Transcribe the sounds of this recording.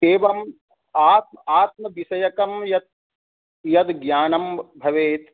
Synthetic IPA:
eːʋɐm | aːt̪̚maːt̪̚mɐʋisɐjɐkɐmjɐt̪̚ | jɐd̪ɡjaːnɐmbʱɐʋeːt̪

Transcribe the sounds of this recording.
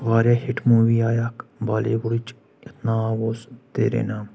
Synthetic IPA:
ʋaːɾjaːhiʈʰmuːʋiːaːjakbaːleːbʊɽit͡ʃ | ɪt̪naːɡoːst̪ḛːɾḛːnaːm

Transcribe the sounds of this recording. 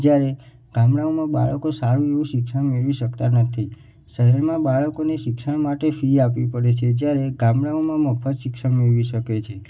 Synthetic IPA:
d͡ʒjaɾe | ɡ̥ãmɽaomãba̰ɭəkosaɾũeʋũʃɪkʃəɳ̃meɭʋiʃəkt̪anət̪ʰi | ʃəɦɛɾmãbaɭəkoneʃɪkʃəɳ̃maʈefɾiapʋipəɽet͡ʃʰed͡ʒjaɾeɡãmɽaomãməfʰət̪ʃɪkʃəɳmeɾʋiʃəket͡ʃʰe

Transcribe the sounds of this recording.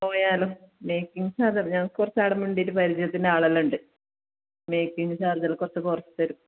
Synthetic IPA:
oːjaːlomejkːiŋːsaːd̪ʱɐmɲɐŋːɐɭkɨkurɐt͡ɕːaːɽɐmuɳɖitːɨpɐɾid͡ʑɐjɐt̪ːindeaːɭɐlːuɳɖɨ | mejkːiŋɨsaːrðɐlkurɐt͡ɕːɨkurɐt͡ɕːɨ̥t̪ɐɾu

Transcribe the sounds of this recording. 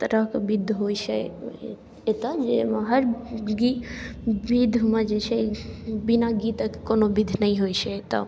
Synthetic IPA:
t̪əɾəɦkbid̪ʱɦojt͡ʃʰɛ | et̪əd͡ʒemɦəɾɡi | bid̪ʱmed͡ʒet͡ʃʰɛbinaɡit̪əkkonobid̪ʱnəiɦojt͡ʃʰɛt̪ɔ̰

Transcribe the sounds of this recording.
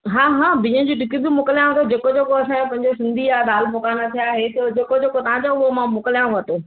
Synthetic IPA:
ɦãːɦãːbɪ̃ə̃d͡ʑiʈɪkɪbimʊklijãʋət̪od͡ʑeːkod͡ʑeːkoɐsãːpɐ̃ɦɪ̃ɲd͡ʑosɪ̃nd̪ʱiaːd̪aːlmʊkaːnat̪ʰijaːɦet̪ɐd͡ʑeːkod͡ʑeːkot̪ɐãd͡ʑaʊɦomãmʊkəlijãʋɐt̪oː

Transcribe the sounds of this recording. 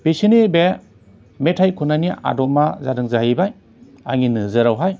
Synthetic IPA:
b̥esinibe | metʰajkʰunania̰dɔmːazadɯŋzaɦibaj | aŋinɯzɯɾawɦaj

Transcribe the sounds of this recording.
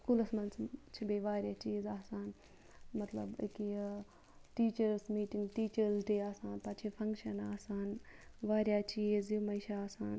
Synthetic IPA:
kulɐsmɐnst͡ʃʰibeːʋaːɾjaːt͡ʃiːzaːsaːn | mɐt̪lɐ̰bḭki | ʈiːt͡ʃɐɾsmiːʈiŋɡʈiːt͡ʃɐɾzɖeːaːsaːnpaːt͡ʃʰifʰɐŋkʃɐnaːsaːnʋaːɾjaːt͡ʃiːzimɐiʃaaːsaːn

